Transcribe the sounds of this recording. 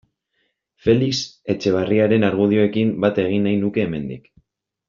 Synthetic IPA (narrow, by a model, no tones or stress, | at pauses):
fe̞likse̞t͡ʃe̞β̞ariaɾe̞naɾɣuð̞io̞e̞kimbat̪e̞ɣ̞inːajnuke̞ːme̞nd̪ḭk